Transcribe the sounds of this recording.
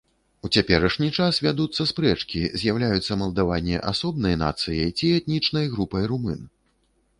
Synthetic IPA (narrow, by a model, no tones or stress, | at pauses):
ut͡sʲapʲɛɾɐʂnʲit͡ʂasvʲad̪ut̪sːɐspɾɛt͡ʂkʲizʲjawlʲajut̪sːɐmɐlˠd̪avanʲːɛ̰ʔa̰sɔbnɐjna̰t̪sɨjɐjt͡sʲiɛt̪nʲit͡ʂnɐjɣɾupɐjɾumɨn